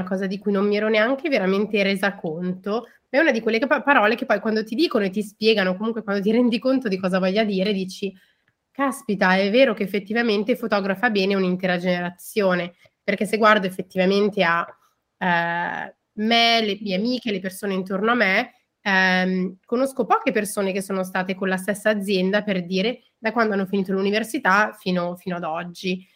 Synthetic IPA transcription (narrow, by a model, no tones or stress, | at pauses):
akɔːzad̪ikujnommːiɛːɾɔneaŋk̟eveɾament̪eɾeːzakont̪o | maɛunad̪ikwelːepaɾɔːlekepːɔjkwand̪ot̪id̪iːkonoet̪ispjɛːɡanokomuŋkwekwand̪ot̪iɾɛnd̪ikont̪od̪ikɔːzavɔʎːad̪iːɾed̪iːt͡ʃi | kaspit̪aɛvːeːɾokeːfːet̪ːivament̪efot̪ɔːɡɾafabɛːneunint̪eːɾad͡ʒeneɾat̪sːjoːne | perk̟esːeɡward̪oefːet̪ːivament̪ea | melemiːeamiːk̟elepersoːneint̪ornoamːe | mkonoskopɔːkepersoːnek̟esːoːnost̪aːt̪ekonlast̪ːesːaːd̪zjɛnd̪aperd̪iːɾe | d̪akwand̪oanːofiniːt̪oaluniversit̪afiːnofiːnoad̪ɔd͡ʒːi